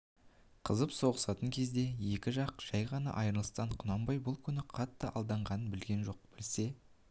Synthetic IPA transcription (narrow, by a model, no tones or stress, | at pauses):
qʰəzəpso̞ʁəsɑt̪əŋkʲʰe̞zd̪e̞je̞kʲɪʒɑqʒ̥ɑjʁɑnɑ̰ʔɑjɾəlˠəst̪ɑɴqʰʊnɑmbɑjbʊlˠkʲʰʏnɪqʰɑt̪ːəʔɑlˠd̪ɑɴʁɑnənbɪlɡʲe̞nʒo̞q̚b̥ɪlse̞